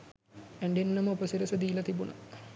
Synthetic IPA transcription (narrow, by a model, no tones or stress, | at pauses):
æɳɖenːɐməupɐsiɾɐsɐd̪iːlɐt̪ibunɐ̰